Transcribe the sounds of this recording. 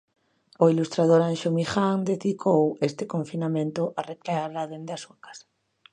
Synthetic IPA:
ʊilust̪ɾað̞oɾanʃomixaŋd̪eðikʰowest̪ɪkõɱfinamẽnt̪ʊʔarekleaɾðaðend̪asuakḁsḁ

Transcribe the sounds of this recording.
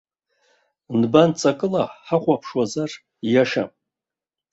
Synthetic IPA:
nbant͡sʼakʼɨlaħaχʷapʰʂwazar | jaʃa̰m

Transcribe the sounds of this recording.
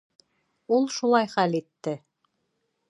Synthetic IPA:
ulˠʃulˠɑjχælit̪ːɘ

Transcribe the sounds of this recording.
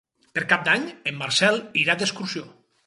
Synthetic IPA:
peɾkap̚d̪aɲemːaɾsɛlˠiɾad̪eskuɾsio

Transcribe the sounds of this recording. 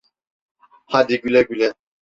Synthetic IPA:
had̪iɡylɛɡylɛ

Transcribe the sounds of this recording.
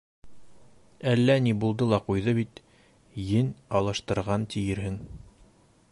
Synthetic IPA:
ælːænibulˠd̪ɤlˠɑqujðɤβit̪ | jɘnɑlˠɤ̆ʃt̪ɤ̆ɾʁɑnt̪ɘ̆jɘɾɦɘŋ

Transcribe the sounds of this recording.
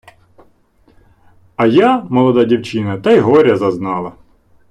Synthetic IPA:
ɐjamɔlˠɔd̪adʲiwt͡ʃɪnɐt̪ɐjɦɔɾʲɐzɐznɑlˠɐ

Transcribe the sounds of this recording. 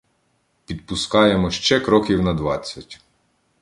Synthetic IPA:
pʲid̪̚pʊskɑjemɔʃt͡ʃɛkɾɔkʲiwnɐd̪ʋɑt͡sʲːɐtʲ

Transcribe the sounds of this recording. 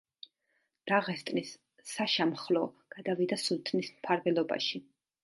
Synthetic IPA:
d̪̥aʁɛst̪ʼnisː | aʃamχlˠɔɡ̥ad̪avid̪asult̪ʼʰnismpʰaɾvɛlˠɔba̰ʃi

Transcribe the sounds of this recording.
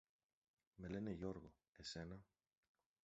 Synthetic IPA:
me̞le̞neʝo̞ɾɣo | e̞se̞nɐ

